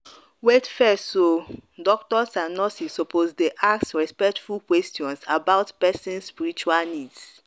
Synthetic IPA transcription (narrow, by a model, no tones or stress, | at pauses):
wetfɛsodɔk̚tɔsãnɔsisɔpozdeʔaksɹɛspɛk̚tfulkwɛstiɔ̃nsabaʊtpɛsɛ̃nsspiɹit͡ʃualnids